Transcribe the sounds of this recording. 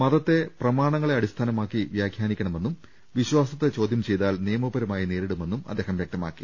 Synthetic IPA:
mɐðɐt̪ːe̞prɐmaːɳɐŋːɐɭeɐɽist̪ʰaːnɐmaːkːiʋjaːɡʰʱjaːnikʲːɐɳɐme̞nːum | ʋiɕwaːsɐt̪ːet͡ɕo̞ːd̪ʱjɐmt͡ɕe̞jt̪aːlnijɐmɐbɐɾɐmaːjineːɾiɽume̞nːumɐ̰d̪ːeːɦɐmʋjek̚t̪ɐma̰ːkːi̥

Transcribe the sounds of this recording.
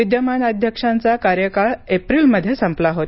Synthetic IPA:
id̪jəmanəd̪ʱjəkʂãnt͡sakaɾjəkaɭepɾiːlməd̪ʱːjesəmplaɦot̪

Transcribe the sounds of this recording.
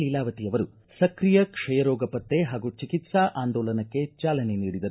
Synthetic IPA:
lilaːʋɐt̪ijɐʋɐɾu | sɐkɾijɐkʂɐjɐɾɔːɡɐpɐt̪ːeɦaːɡut͡ʃikit̪saʔaːnd̪ɔːlɐnɐkːe̞t͡ʃaːlɐne̞niːɽid̪ɐɾu

